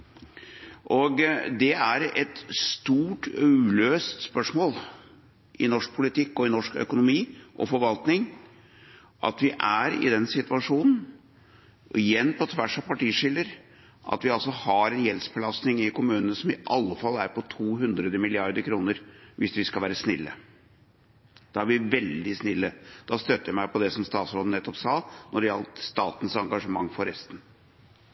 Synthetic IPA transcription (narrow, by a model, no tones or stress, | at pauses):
ʔɔɡd̪ɛæɾɛt̪st̪uːʈʰːʉløːst̪spœʂmoːl | ʔɪnɔʂk̚pʰʊlɪt̪ɪkːɔɪnɔʂkœ̰kʊnʊmiːʔɔ̰fɔɾʋɑlt̪nɪŋ | ʔɑ̰t̪ʋɪʔæɾɪ̰d̪ɛnsɪt̪ʋɑʂuːnn̩ | ɪjɛnːpʰɔt̪ʰʋæʂɑpʰɑʈiːʂɪlːəɾ | ʔɑ̰t̪ʋɪɑlsɔhɑɾɛnjɛlsbəlɑsnɪŋɪkʊmʉːnənəsɔmɪʔɑlːəfɑlːæɾpɔt̪ʰuːɦʉnd̪ɾəd̪əmɪlɪɑɾd̪əɾkʰɾuːnəɾʋɪsʋɪskɑlʋæːɾəsnɪlːə̰ | d̪̥ɑæɾʋɪʋɛld̪ɪsnɪlːəd̪̥ɑst̪œt̪ːəjɑmæɪpʰɔd̪ɛsɔmst̪ɑːt̪sɾoːd̪ənɛt̪ːɔpsɑːnʔɔɖɛɑlt̪st̪ɑːt̪n̩sɑŋɡɑʂəmɑŋːfɔɾɛst̪n